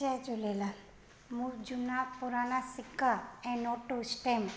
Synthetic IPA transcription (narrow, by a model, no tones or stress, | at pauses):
ajt͡ʃolela | muɾd͡ʒunapuɾanasikːaɛ̃nɔʈosʈem